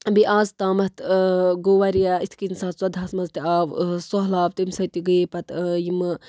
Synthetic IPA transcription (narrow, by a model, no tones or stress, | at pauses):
biʔaːzt̪aːmɐt̪ɡoːʋɐɾjaːit̪ʰkinsaːt̪sɐd̪ʱasmɐzt̪iaːʋsɔɦlaːʋt̪imsɐt̪iɡipɐt̪jim